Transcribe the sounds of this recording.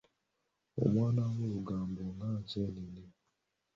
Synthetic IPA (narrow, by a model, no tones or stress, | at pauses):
o̰manaŋoɡam̩bʊnat͡ʃɛnini